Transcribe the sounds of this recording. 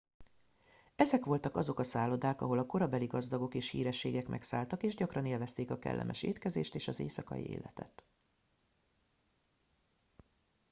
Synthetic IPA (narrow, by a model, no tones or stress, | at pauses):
ɛzɛkʋo̞lt̪ɒkɒzo̞kɒsaːlːo̞d̪aːkɒ̰ɦo̞lɒko̞ɾɒbɛliɡɒzd̪ɒɡo̞keːʃhḭːɾɛʃːeːɡɛkmʔɛ̰ksaːlt̪ɒkeːʒɟɒkrɒneːlvɛst̪eːkɒkɛ̰lːɛ̰mʔɛʃḛːt̪kɛzḛːʃt̪eːʃɒzḛːsɒkɒ̰jḭḛːlɛt̪ɛ̰t̪